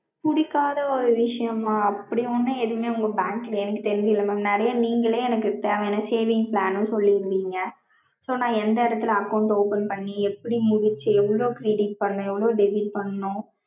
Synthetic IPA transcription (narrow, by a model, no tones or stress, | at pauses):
mʊɽɪkːaːðɐɔɾɯʋɪʂɐjɐmaːɐpːɐɽiɔnːɯ̃eðɯmeːʊŋɡɐbaːŋklɐɛnɐkːɯt̪ɛɾɪnb̪ɪlːɐmɐnɛɾɐjɐniːŋɡɐɭeːɛnɐkːɯt̪eːʋɐɛnːɐseːʋɪŋɡplaːnɯ̃nsɔlːiɪɾɯniːŋɡɐ | soːnãːɛnd̪ɐɪɾɐt̪ːɯlɐɐkɐʊɳʈoːpɐnpɐɳːiɛpːɐɽimʊɽɪt͡ʃːɯɛʋːɐɭoːkɪɾiːɖɪʈ̚pɐɳːʊ̃ɛʋːɐɭoːɖɛbiʈ̚pɐɳːnʊ̃